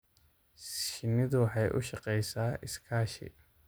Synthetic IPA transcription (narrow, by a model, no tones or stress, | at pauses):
ʃɪnɪðʊwħɑjʔʊ̰ʃɑqɛjsaːɪskʰaːʃɪ̰